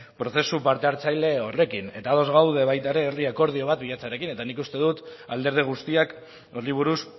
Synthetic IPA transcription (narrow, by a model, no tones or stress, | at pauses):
pɾo̞θe̞supaɾt̪e̞aɾt͡sajle̞o̞re̞kine̞t̪aːðo̞zɣawðe̞βajt̪aeɾe̞ːɾiako̞ɾð̞io̞β̞at̪biʎat͡saɾe̞kine̞t̪anikust̪e̞ðut̪ald̪eɾð̞iɣ̞ust̪iak | oɾliβ̞uɾus